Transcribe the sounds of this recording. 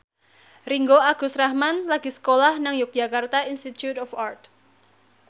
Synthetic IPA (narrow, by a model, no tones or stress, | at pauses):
riŋɡoaɡ̥ṳsrahmanlaɡ̥i̤sə̥kolahnaŋjʊk̚dʒ̥a̤kart̪ainst̪it̪jut̪ɔfart̪̚